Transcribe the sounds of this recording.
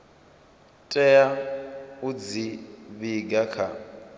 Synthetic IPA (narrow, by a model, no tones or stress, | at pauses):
tʼɛja | ud͡ziβiɡakʰa̰